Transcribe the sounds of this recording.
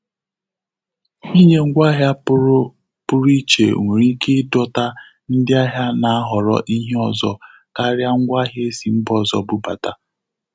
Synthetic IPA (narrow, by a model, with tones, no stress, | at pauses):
i˦ɲe˦ŋ̩˦ɡʷa˦ɦja˦ | pʊ˦ɾi˦t͡ʃḛ˨ŋʷe˨ɾi˦kɪ˦dɔ˦ta˦ | n̩˦dɪ˦a˦ɦja˦na˨a˦ɦɔ˨ɾɔ̰˦ʔi˦ɦe˦ɔ˨zɔ˦ | ka˦ɾja˦ŋ̩˦ɡʷa˦ɦje˦e˦si˨m̩˦bɔ˦˨zɔ̰˨bʊ˦ba˨ta˨